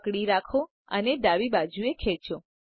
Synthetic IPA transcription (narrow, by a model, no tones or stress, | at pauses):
kɽiɾakʰo | əneɖ̪aʋibad͡ʒuekʰet͡ʃo